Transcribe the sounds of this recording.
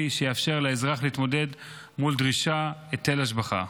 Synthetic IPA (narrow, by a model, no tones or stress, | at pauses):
iʃejeafʃe̞ʁlaezʁaχleit̪mo̞de̞d | muld̪ʁiʃaet̪ːelaʃ̬baχa̰